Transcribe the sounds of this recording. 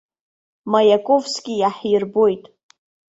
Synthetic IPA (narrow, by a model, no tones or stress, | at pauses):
majakʼovsɡʲɪjaħjɪrbo̞jtʼ